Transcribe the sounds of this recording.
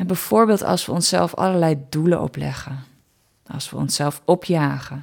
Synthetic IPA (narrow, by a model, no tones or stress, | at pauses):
ɛnbɛjv̥ʊːɹbeːlˠtɑ̰lˠsʋəɔnsɛ̰lˠfɑ̰ləɹlɛjduləʔɔ̰plɛ̰χə | ɑ̰lˠsʋə̰ɔ̰nsɛlˠfɔpʰjaːχə